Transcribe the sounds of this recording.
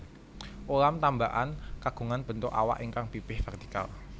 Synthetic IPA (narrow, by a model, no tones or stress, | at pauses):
ʔulamt̪ambaʔankaɡ̥ṳŋanb̥ənt̪ʊka̰wa̰ʔiŋkaŋpipɪhfɛrt̪i̥ka̰l